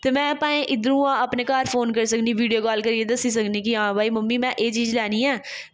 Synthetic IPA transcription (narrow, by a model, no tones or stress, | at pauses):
t̪eːmɛ̃ːpaːẽːʔɪd̪əɾũːãːəpneːkaːɾfʰoːnkəɾsəkniːʋiːɖijoːkɔːlkəɾiːed̪əsiːsəkniːkiãːbaːiːməmːiːmɛ̃ːʔeːt͡ʃiːd͡ʒlɛːniːɛː